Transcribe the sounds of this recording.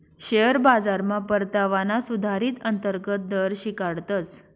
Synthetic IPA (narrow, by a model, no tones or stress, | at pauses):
ɕeəɾbad͡zaɾmãpəɾt̪aʋanasud̪ʱaɾiːt̪ənt̪əɾɡət̪̚d̪əɾɕikaɽt̪ət͡s